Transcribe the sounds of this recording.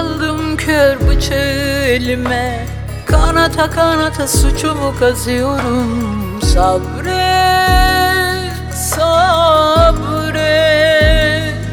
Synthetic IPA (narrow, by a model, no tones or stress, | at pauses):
lˠd̪ɯmcʰøɾbut͡ʃʰaɯelʲimɛ | kʰanat̪ʰakʰanat̪ʰasut͡ʃʰumukʰazɯjoɾum | sabɾɛ | sa | bɾɛ